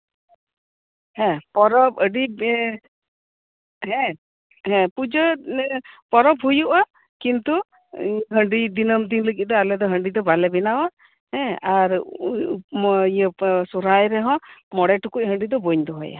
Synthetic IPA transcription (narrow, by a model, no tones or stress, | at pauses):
hɛ̃pɔɾɔp̚əɖi | ɦɛ̃ | ɦɛ̃pud͡ʒə | pɔɾɔp̚ɦujuʔa | kint̪u | ɦəɳɖid̪inəmd̪inləɡiˀd̪ɔalɛd̪ɔɦəɳɖid̪ɔbalɛbɛnawa | hɛ̃aɾpmijəsuɾajɾɛɦɔ̃mɔɽɛʈukuc̚ɦəɳɖid̪ɔbɔɲd̪ɔɦɔja̰